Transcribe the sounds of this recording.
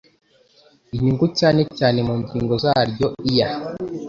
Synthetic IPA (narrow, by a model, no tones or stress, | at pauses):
iɲuŋɡucaːne̞caːne̞muːɲɟiːŋɡo̞zaːɾɟo̞ija